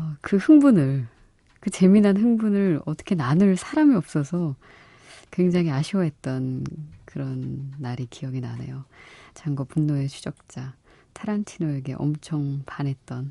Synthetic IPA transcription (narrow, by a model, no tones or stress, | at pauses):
ʌkɯhɯŋbunɯɭ | kɯt͡ɕe̞minanɦɯŋbunɯɭʌt͈ʌ̥kʰenanɯɭsʰaɾamiʌp̚s͈ʌsʰʌ | kwe̞ŋd͡ʑaŋiaɕʰiʌɦe̞t̚t͈ʌnkɯɾʌnːaɾikijʌɡinanḛjot͡ɕaŋɡʌpunːoe̞t͡ɕʰud͡ʑʌk̚t͡ɕ͈a | tʰaɾantʰinoeɡe̞̰ʔʌ̰mt͡ɕʰʌŋpanɦe̞t̚t͈ʌn